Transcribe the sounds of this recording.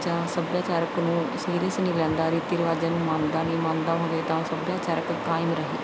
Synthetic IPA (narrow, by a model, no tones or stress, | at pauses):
d͡ʒãːsəbjaːt͡ʃaːɾəknũːsiːɾəsnĩːlɛ̃ːnd̪aːɾiːt̪iːɾəʋaːd͡ʒənmãːnd̪aːneːmãːnd̪aːɦoːɡeːt̪ãːsəbjaːt͡ʃaːɾəkkaːɪmɾəɦḛː